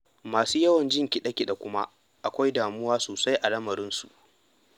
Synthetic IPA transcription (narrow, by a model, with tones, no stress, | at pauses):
maː˨suː˦jɐ˦wɐ˨nd͡ʒɪ˦˨ŋkʲi˨ɗɐ˦kʲɪ˦˨ɗa˨kʷʊ˦ma˦ | ʔa˨kʷa˦jdaː˨mʊ˦waː˦soː˨sa˦jʔa˨lɐ˦mɐ˨ɾɪ˦nsṵ˨ʔ